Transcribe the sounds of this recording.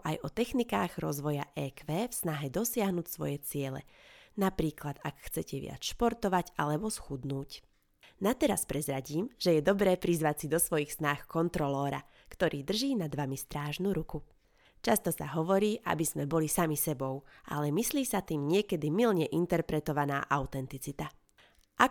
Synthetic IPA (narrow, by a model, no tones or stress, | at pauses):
ʔajɔt̪ɛxnikaːɣɾɔzʋɔjaʔɛːkʋɛːfsnaɦɛd̪ɔsɪaɦnucsʋɔ̰jɛt͡sɪɛlɛ̰napɾiːklad̪akxt͡sɛcɛʋɪa̰t͡sʃpɔɾt̪ɔʋaɟa̰lɛbɔsxud̪nuːc | nat̪ɛɾaspɾɛzɾaɟiːmʒ̥ɛjɛd̪ɔbɾɛːpɾizʋacsid̪ɔsʋɔjixsnaːxkɔnt̪ɾɔlɔːɾa̰ | kt̪ɔɾʔiːd̪r̩ʒiːnad̪ʋamist̪ɾaːʒnuɾuku | t͡ʃast̪ɔsa̰ɦɔʋɔɾiːʔa̰bizmɛbɔlisamisɛbɔʊʔa̰lɛmisliːsat̪iːmɲɪɛkɛd̪imilɲɛʔint̪ɛɾpɾɛt̪ɔʋana̰ːʔaʊt̪ɛnt̪it͡sit̪a | ʔak